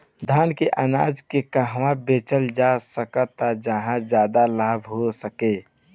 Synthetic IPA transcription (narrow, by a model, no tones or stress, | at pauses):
d̪ʱaːnkeʔana̰ːd͡ʒkekəɦwãbet͡ʃəld͡ʒasəkət̪ad͡ʒəɦãd͡ʒjaːd̪alaːbɦosəke